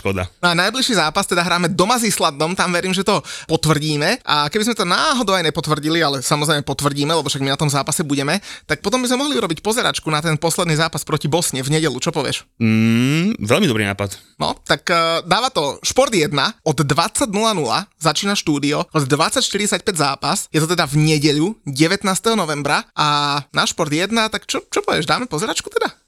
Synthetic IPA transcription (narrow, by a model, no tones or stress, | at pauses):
ʃkɔd̪a̰nɔanajbliʃiːzaːpast̪ɛd̪aɦɾaːmɛd̪ɔmazislad̪ɔmt̪amʋɛɾiːmʒɛt̪ɔpɔt̪ʋr̩ɟiːmɛʔakɛbizmɛt̪ɔnaːɦɔd̪ɔʊajɲɛpɔt̪ʋrɟilialɛsamɔzɾɛɪmɛpɔt̪ʋr̩ɟiːmɛlɛbɔfʃaɡminat̪ɔmzaːpasɛbuɟɛmɛt̪ak̚pɔt̪ɔmbizmɛmɔɦliuɾɔbicpɔzɛɾa̰t͡ʃkunat̪ɛnpɔslɛd̪niːzaːpaspɾɔcibɔsɲɛvɲɛɟɛlut͡ʃɔpɔʋɪɛ̰ʃ̩ | ʋɛlmid̪ɔbɾḭna̰ːpat̪nɔ̰t̪akːd̪aːʋat̪ɔʃpɔɾd̪jɛd̪naɔd̪ːʋat͡saɟnulanula̰zat͡ʃiːnaʃt̪uːd̪iɔɔd̪ːʋat͡sːacʃt̪iɾiɛsac̚pɛɟzaːpasjɛt̪ɔt̪ɛd̪avɲɛɟɛʎuɟɛʋɛt̪naːst̪ɛɦɔnɔʋɛmbɾaʔanaʃpɔɾd̪jɛd̪nat̪akt͡ʃɔt͡ʃɔpɔʋɪɛʒd̪aːmɛpɔzɛɾat͡ʃku̥t̪ɛd̪a